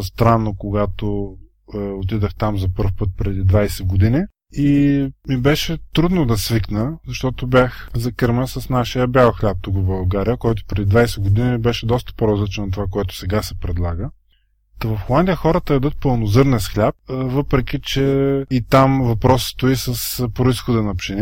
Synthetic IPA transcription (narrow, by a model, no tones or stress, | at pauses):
st̪ɾanːokoɡat̪o | ot̪id̪əxt̪amzɐpɤɾfpɤt̪̚pɾɛd̪id̪vajsɛɡod̪ini | imibɛʃɛt̪ɾud̪nod̪ɐsviknəzɐʃt̪ɔt̪obʲjaxzɐkɤɾməsɐsnaʃijəbʲjalˠxlʲap̚t̪ukobɐlˠɡaɾijəkɔjt̪ʊ̥pɾɛd̪id̪vajsɛɡod̪inibɛʃɛd̪ɔst̪ə̥poɾɐzlit͡ʃnnt̪ovakoɛt̪ʊ̥sɛɡasɛpɾɛd̪lˠaɡə | t̪ɐvɐfxolˠand̪ʲijəxɔɾət̪əɛd̪ɤt̪̚pɤlˠnozɤɾnɛsxlʲap̚vɤpɾɛkʲit͡ʃɛit̪amvɐpɾɔsst̪oisəspɾoisxod̪ənɐpʃɛni